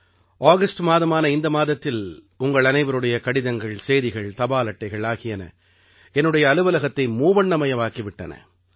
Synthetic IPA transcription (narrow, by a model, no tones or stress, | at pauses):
ʔaːɣɐsʈmaːðɐmaːnɐɪnd̪ɐmaːðɐt̪ːɪl | ʊŋɡɐɭɐnɐɪʋɐɾɯɽɐjɐkɐɽɪðɐŋɡɐɭsejðɪɣɐɭt̪ɐbaːlɐʈːɐɪɣɐɭaːɣɪjɐnɐ̰ | ɛnːɯɽɐjɐːlɯʋɐlɐɣɐt̪ːɐɪmuːʋɐɳːɐmɐjɐʋaːkiʋɪʈːɐ̰nɐ̰